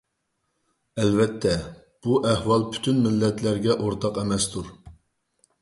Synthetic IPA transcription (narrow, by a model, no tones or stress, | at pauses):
ɛlvɛt̪ʰːɛ | b̥uʔɛhwɑlˠpʰy̥t̪ʰynmɪlːɛt̪ʰlæɾɡʲɛʔoɾt̪ʰɑqɛmɛst̪ʰuɾ